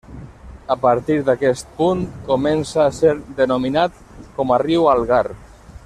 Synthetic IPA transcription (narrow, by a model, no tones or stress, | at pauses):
əpaɾt̪iɾd̪akɛst̪̚punkomɛnsaːseɾd̪ənominat̪ | kɔmariwalˠɣaɾ